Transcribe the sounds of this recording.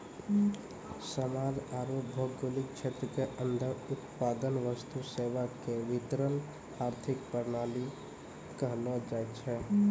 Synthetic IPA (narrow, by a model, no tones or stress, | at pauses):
səmad͡ʒaɾobʱəkɡolik̚t͡ʃʰet̪ɾəkeʔənd̪ʱəut̪pad̪ənʋəst̪useʋakeʋit̪ɾən | aɾt̪ʰikpəɾnali | kəɦlɔd͡ʒaɛt̪t͡ʃʰɛ